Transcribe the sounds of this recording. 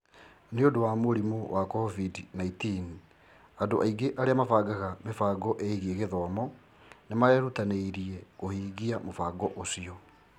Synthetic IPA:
neodowamoɾimowakɔvidnaitin | adoʔaiɡeʔaɾeamavaɡaɣamefaːɡɔʔeiɣieɣeðɔmɔ | nemaɛɾutaneiɾiɛɣohiːɣiamofaɡɔʔosiɔ

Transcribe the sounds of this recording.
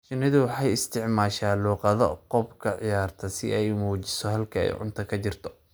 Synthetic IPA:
ʃɪnɪðʊwɑħɑjɪst̪ʰɪʕmaːʃaːluːqɑðɔqɔbkʰɐʕɪjaːrt̪ʰɐsɪ̰ɛjmuːt͡ʃɪsɔhɐlkʰɐɛ̰jʕʊ̰nt̪ʰɐkʰɐt͡ʃɪrt̪ʰɔ̥

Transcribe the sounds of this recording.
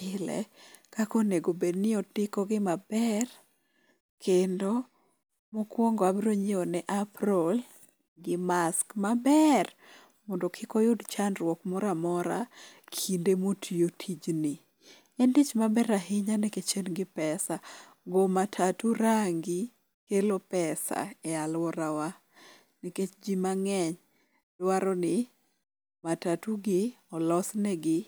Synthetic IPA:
ɪlɛ̰kakoneɡobednɪɔtɪkɔɡɪmabɛr | kʰendo | mokwɔŋɡɔabɾoɲɪɔnɛʔaprol | ɡɪmaskmabɛr | mɔndokʰɪkojʊdt͡ʃanrwɔkmɔɾamɔɾakʰindemotʰiotʰid͡ʒnɪ | ɛndit͡ʃmabɛɾaɦɪɲanɛket͡ʃenɡɪpɛsa | ɡomatʰatuɾaŋɡi | kelopɛsa̰ɛalwɔɾawa | niket͡ʃd͡ʒimaŋɛɲ | d̥waɾɔnɪ | matatuɡɪɔlɔsnɛɡɪ

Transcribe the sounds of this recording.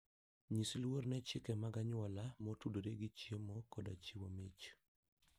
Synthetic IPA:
ɲislwornɛt͡ʃɪkɛmaɡaɲwɔlamotudoɾeɡit͡ʃjemɔkɔda̰t͡ʃiwomet͡ʃ

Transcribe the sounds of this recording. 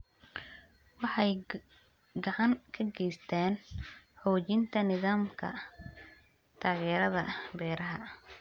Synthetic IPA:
wɑħɑj | ɡɑʕɑŋkʰɐɡɛjst̪ʰaːnħɔːt͡ʃɪnt̪ʰɐnɪðaːmkʰɐ̰ | t̪ʰaːɣɛːɾɐðɐbɛːɾɐɦɐ

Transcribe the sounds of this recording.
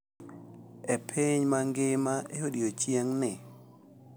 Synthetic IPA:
epʰiɲmaŋɡɪmaʔehodiot͡ʃjeŋnɪ

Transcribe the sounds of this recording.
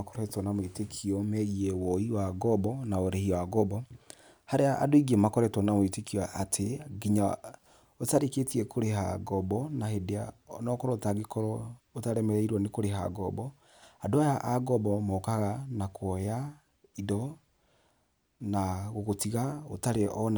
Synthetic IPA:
kɔɾɛtwɔnamoitekʰiɔmɛɣiɛwɔiwaɡɔbɔnaoɾɛhiwaɡɔbɔ | haɾeaʔa̰doiɡiemakɔɾɛtwɔnamoitekiaʔatʰeɡiɲa | otaɾeketiɛkʰoɾeɦa̰ɡɔbɔnahedea̰nɔkɔɾɔtaɡekɔɾɔotaɾɛmɛɾɛiɾwɔnekoɾeɦa̰ɡɔbɔ | adoajaʔaɡɔbɔmɔkaɣanakʰɔja | idɔ | naɣoɣotiɣao̰taɾeʔɔn

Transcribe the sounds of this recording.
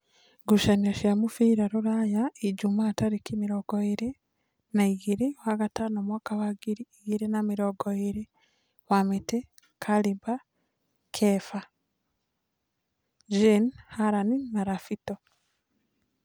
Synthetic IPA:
ɡuʃaniaʃjamufiːɾaɾuɾajaiɟumaːtaɾikimiɾoɡoiɾi | naiɣiɾiwaɡatanomwaːkawaɡiɾiiɣiɾinamiɾoɡoiɾi | wamite | kʰaliba | kʰefa | ʒinhaɾaninaɾafito

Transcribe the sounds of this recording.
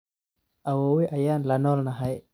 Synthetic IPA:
ʔawowiʔajanlanɔlnaɦaj

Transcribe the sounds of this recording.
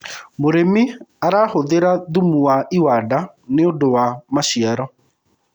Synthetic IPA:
moɾemiaɾahoðeɾaðumuwaiwada | neondowamaʃiaɾɔ

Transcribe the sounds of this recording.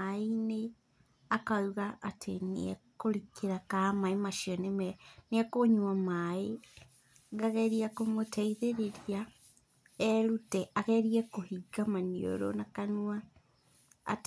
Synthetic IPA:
aine | akauɣaʔatʰenḭɛkoɾikʰeɾakamaemaʃiɔnemɛneɛkoɲwamae | ɡaɣɛɾiakomotʰɛiðeɾeɾia | ɛɾutɛʔaɣɛɾiɛkohiɡamanio̰ɾo̰nakanua̰ː | t

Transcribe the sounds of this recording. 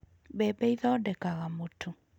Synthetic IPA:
bɛbɛiðɔdɛkaɣamotʰu

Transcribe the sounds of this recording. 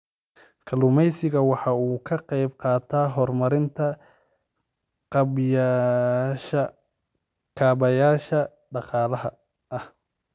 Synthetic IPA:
kʰɐlʊmɛjsɪɣɐwɑħɑuːkʰɐqɑjbqɑːt̪ʰaːɦɔrmɐɾɪnt̪ʰɐ | j | ʃɐ | kʰaːbɐjaːʃɐ | ɖɑqɑːlɐɦɐ | ʔɐh

